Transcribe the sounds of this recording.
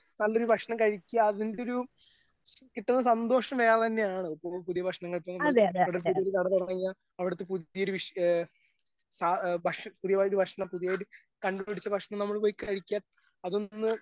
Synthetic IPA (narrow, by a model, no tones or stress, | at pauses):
nɐlːo̞ɾubʱɐkʂɐɳɐmkɐɻikʲːuɐːðindeo̞ɾu | kiʈːunːɐsɐnd̪o̞ːʂɐɳɐmejaːɭt̪ɐnːe̞jaːɳɨipːoːɭpuðijɐbʱɐkʂɐɳɐŋːɐɭpːɐnɐeɐʋɽeɾupuðijoɾuk̪ɐɽɐt̪urɐŋɐɲːa | ɐʋiɽɐt̪ːepuðijɐoɾuʋiʂ | sabʱɐʂpuðijɐajoɾubʱɐkʂɐɳɐmpuðijajɾ | kɐɳɖupiɽit͡ɕːɐbʱɐkʂɐɳɐmnɐmːɐɭpoːjikːɐɻikʲːɐ | ɐðonːɨ